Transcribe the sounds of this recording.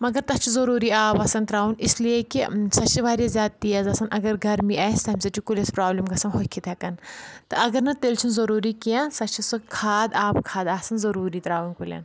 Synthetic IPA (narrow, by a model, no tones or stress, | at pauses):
mɐɡɐɾt̪ɐt͡ʃʰizɐɾuːɾiːaːbɐsɐnt̪ɾaːunislijekisɐt͡ʃʰiʋaːɾjizʲjaːd̪̚t̪ijɐzɐsɐnʔɐɡɐɾɡɐɾmiaːst̪ɐmʲsɐt͡ʃʰikulʲɐspɾaːblimɡɐsɐnɦokʰːit̪ʰɐkɐnt̪ɨɐɡɐɾnɐt̪elt͡ʃʰunzɐɾuːɾiːkijãnsɐt͡ʃʰisukʰaːd̪aːpkʰaːd̪aːsɐnzɐɾuːɾiːt̪ɾaːʋunkulʲɐ̰n